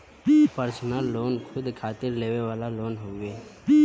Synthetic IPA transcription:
pəɾsnaːoːnkʰʊd̪kʰaːt̪ɪɾleːweʋwaːlaloːnɦoːɡeː

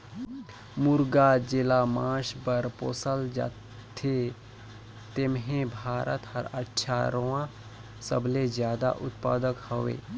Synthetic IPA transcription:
mʊɾɡad͡ʒɪlamãːʃbəɾpoːsəld͡ʒa̰ | t̪ʰe | t̪emɦẽbʱaːɾʔə̰t̪həɾətːʃʰaɾoã | sə̰blezjaːd̪a̰ʔʊt̪pa̰ːd̪əkhəʋḛː

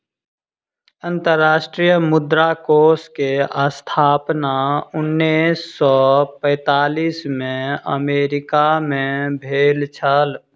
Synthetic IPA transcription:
ə̃nt̪əɾːaːʃʈɾijəmʊd̪ɾakoːskeast̪ʰaːpnaʊnːisːɔpəɛ̃ːt̪aːliːsmẽə̰meːɾɪkamẽbʱeːlt͡ʃʰəl

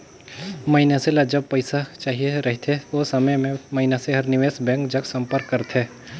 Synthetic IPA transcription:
mɐɪnaselad͡ʒɐb̚pəɪsat͡ʃaːɦieɾɐɦt̪ʰeosɐməjmẽmɐɦɪnaseɦɐɾnɪʋeːsbɛ̃ːŋkd͡ʒɐksɐ̃mpəɾkːəɾt̪ʰeː

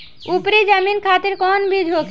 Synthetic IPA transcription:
upɾid͡ʑaminkʰat̪eɾkɔnbid͡ʒʱok

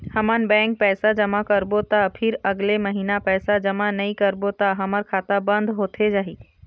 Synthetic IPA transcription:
həmənbɛ̃ːŋk̚pɛːsad͡ʒəmakəɾbot̪apʰɪɾɐɡleməɦiːnapɛːsad͡ʒəmanɐĩkəɾbot̪aɦɐməɾkʰaːt̪abə̃nd̪ɦoːt̪ʰed͡ʒaːɦiː

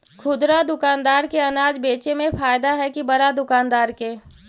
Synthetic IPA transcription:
kʰʊd̪ɾad̪ʊkaːnd̪aːɾkeɐnaːd͡ʒbeːt͡ʃemẽfaːjd̪aɦɛkibɐɾad̪ʊkaːnd̪aːɾkeː

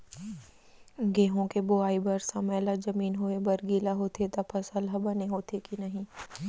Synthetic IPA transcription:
ɡeːɦõkeboaːibɐɾsɐməːlad͡ʒɐmiːnɦoebɐɾɡiːlaɦoːt̪et̪ɐpʰɐsəlɦɐbɐneɦoːt̪ekinɐɦĩ

